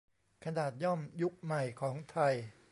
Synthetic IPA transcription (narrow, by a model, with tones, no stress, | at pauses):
kʰa˧naː˨˩t̪̚jɔ˥˩mju˦˥k̚ma˨˩jkʰɔː˩˦ŋt̪ʰa˧j